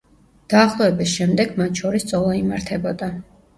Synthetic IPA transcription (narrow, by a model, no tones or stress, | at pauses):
d̪̥aːχlˠɔɛbisʃɛmd̪ɛɡmat̪ʰʃɔɾist̪sʼɔlˠaimaɾt̪ʰɛbɔd̪a